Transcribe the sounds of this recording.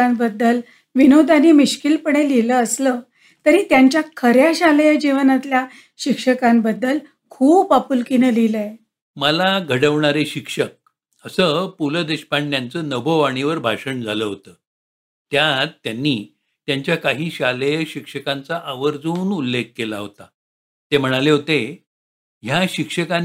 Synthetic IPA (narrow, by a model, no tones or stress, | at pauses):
ambəd̪ːəl | ʋinod̪ʱanimiɕkilpəɳ̃eliləəslə | t̪əɾiːt̪jaɲt͡ɕjakʰəɾjaɕaləjəd͡ʑiʋənat̪lja | ɕikʂəkãmbəd̪ːəl | kʰuːpapulkinəliləe | məlaɡʱəɽəʋɳaɾeɕikʂək̚ | əsəpuləd̪eɕpaɳːjant͡səːnəbəʋaɽ̃iʋəɾbʱaʂəɳd͡zʱaləːɦot̪əː | t̪jat̪ːjanːiː | t̪jaɲt͡ɕjakaɦiːɕaləjəɕikʂəkant͡saʔaʋəɾd͡zuːnulːek̚kelaɦot̪a | t̪em̤əɽ̃aleɦot̪e | ɦjaɕikʂəka